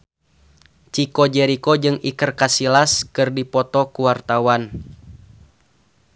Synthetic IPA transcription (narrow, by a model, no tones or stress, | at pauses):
t͡ʃikɔd͡ʒɛɾikɔd͡ʒɨŋikərkasilaskɨrdipɔt̪ɔkuwart̪awan